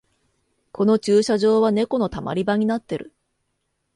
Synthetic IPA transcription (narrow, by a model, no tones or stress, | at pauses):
kʰo̞no̞t͡ɕɨːɕaʑo̞ːβane̞ko̞no̞t̪ama̰ɾʲibaɲ̟inat̪ːe̞ɾɯ̟